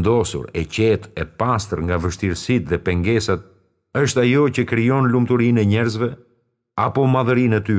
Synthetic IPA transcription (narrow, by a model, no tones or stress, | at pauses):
nd̪ɔsṵɾɛcɛt̪ɛpast̪əɾŋɡavəʃt̪iɾsit̪ðɛpɛŋɡɛsat̪̚ | əʃt̪ajɔcəkɾijɔnlumt̪uɾinɛɲɛɾzvɛ | apɔmaðəɾinɛt̪y